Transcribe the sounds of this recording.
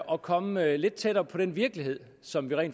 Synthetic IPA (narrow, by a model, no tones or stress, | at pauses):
ʔɒ̽kʰɒ̽məle̝d̥̚t͡sʰeɾ̥ɐːpʰɒ̽ɾ̥enʋiɐɡ̥liɦe̝ð̞̰ˠ | sɒ̽mʋiʁɛ̰ːnd